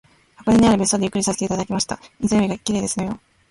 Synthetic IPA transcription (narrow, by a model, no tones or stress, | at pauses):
akod̪eɲiaɾɯ̟be̞sɨ̥t̪o̞d̪jɯ̟kːɯɾʲisaset̪e̞it̪ad̪akʲimaɕi̥t̪a̰ɲizɨjomʲiɡaikʲːiɾeːd̪e̞sɨno̞jo̞